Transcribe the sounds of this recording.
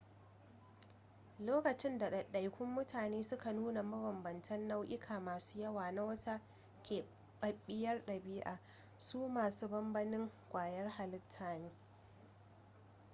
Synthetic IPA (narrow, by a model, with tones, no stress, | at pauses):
loː˦kɐ˨t͡ʃɪ˦nda˨ɗɐ˨ɗɐ˨jkʷʊ˦mːʊ˦tʰaː˨neː˦sʊ˦ka˨nuː˦na˨mɐ˦wɐ˨mbɐ˨ntʰɐ˦nːa˦wʔɪ˦kʰaː˨maː˨su̥ː˦jɐ˦waː˨na˦wɐ˦ta˦ | kʲeː˨ | ɓɐ˨ɓːɪ˦jɐ˦rɗɐ˨biː˦ʔa̰ː˨ | suː˦maː˨suː˦bɐ˦mbɐ˦nɪ˦ŋkʷaː˨jɐ˦rha˨lɪ˦tʰːaː˨niː˦